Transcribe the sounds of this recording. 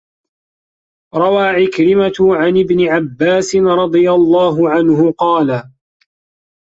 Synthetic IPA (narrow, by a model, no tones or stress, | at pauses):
ɾˤɑwaːʕɪkɾɪmat̪ʊʕanɪbnɪʕabːaːsɪnɾˤɑd̪ˤɨjalˤːɑːɦʊʕanɦʊqɑːla